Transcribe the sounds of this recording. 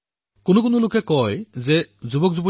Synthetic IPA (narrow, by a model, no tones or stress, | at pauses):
konokonolokekɔjzed͡ʑubok̚d͡ʑubo